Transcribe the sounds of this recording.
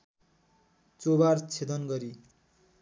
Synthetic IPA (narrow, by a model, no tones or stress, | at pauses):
t͡sobart͡sʰed̪ʌnɡʌɾi